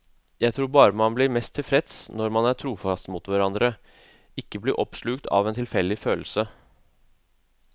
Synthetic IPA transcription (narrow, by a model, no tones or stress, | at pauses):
jæɪt̪ʰɾuːɾbɑːɾəmɑnblɪɾmɛst̪ʰːɪlfɾɛt̪snɔɾmɑnæʈʰɾuːfɑst̪muːt̪ʋæɾɑnd̪ɾə | ɪkːəblɪɾʔɔpʂɭʉkt̪ʰɑ̰ʋɛnt̪ʰɪlfɛld̪ɪføːl̩sə